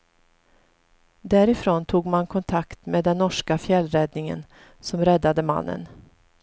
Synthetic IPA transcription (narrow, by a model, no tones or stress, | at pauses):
d̪æːɾɪfɾoːnt̪ʰuːɡmankʰɔnt̪ʰakt̪meːd̪ɛnːɔʂkafjɛlːɾɛd̪nɪŋə̰n | sɔmɾɛd̪ːad̪əma̰nːə̰n